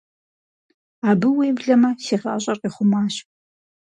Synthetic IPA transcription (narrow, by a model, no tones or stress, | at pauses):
aːbɨweːvɮɐmɐsiːʁɑ̰ːɕʼɐrqiːχʷʊmaːɕ